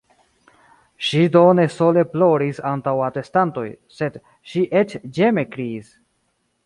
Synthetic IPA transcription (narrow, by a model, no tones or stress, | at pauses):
ʃido̞ne̞so̞le̞plo̞ɾisantawate̞stanto̞j | se̞d | ʃiʔet͡ʃd͡ʒe̞me̞kɾiis